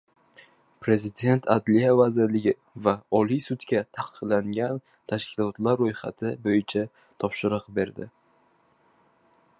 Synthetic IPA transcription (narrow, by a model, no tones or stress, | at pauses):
pɾe̞zɪd̪e̞nt̪ʰad̪lijavazɪɾlɪɡʲɪ | vaɒlijsʊt̪kʲat̪ʰaqɨ̥qlaŋɡʲan | t̪ʰaʃkʲʰɪlɒt̪laɾːojχa̰t̪ʰɪbojɪt͡ʃʰa | t̪ʰɒpʃɪɾɨqbe̞ɾd̪ɪ̰